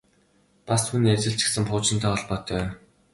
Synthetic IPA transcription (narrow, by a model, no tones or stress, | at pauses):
pasʰunːet͡sɘ̆ɬt͡ɕɪ̥̆ksɘ̆ŋχʊːt͡ɕɪ̆nt̪ʰæːɔɮpɔːt̪ʰœː